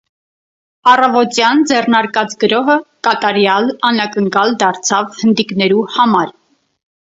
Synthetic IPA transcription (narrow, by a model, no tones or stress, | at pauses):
ɑrɑvɔt̪jɑnd͡zɛrnɑɾkɑt͡sɡəɾɔɦəkɑt̪ɑɾjɑlɑnɑkəŋkɑld̪ɑɾt͡sʰɑvhənd̪iknɛɾuhɑmɑɾ